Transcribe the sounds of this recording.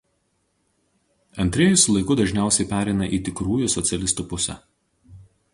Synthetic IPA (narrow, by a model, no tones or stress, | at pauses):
ɐnʲt̪ʲɾʲeːjʊsʲʊlˠɐɪkʊd̪ɐʒʲnʲæˑʊsʲɛɪpʲæːɾʲɛɪnɐʔiːt̪ʲɪkɾuːjʊsɔt̪sʲɛlʲɪst̪uːpʊsʲɛ̰